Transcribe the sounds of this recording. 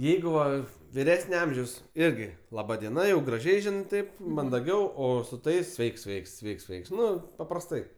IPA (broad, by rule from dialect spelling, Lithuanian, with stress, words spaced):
ˈjɛɪɡʊ ˈʋɐ ʋʲɪˈrʲæːsʲnʲɛ ˈɐmʲʒʲɛʊs ˈɪrʲɡʲɪ lˠɐˈbɐ dʲiɛˈnɐ jɛʊ ɡrɐˈʒʲɛɪ ˈʒʲɪnɜ ˈtɐɪp mɐndɐˈɡʲɛʊ ˈoː sʊ ˈtɐɪs ˈsʲʋʲɛɪks ˈsʲʋʲɛɪks ˈsʲʋʲɛɪks ˈsʲʋʲɛɪks ˈnʊ pɐprɐsˈtɐɪ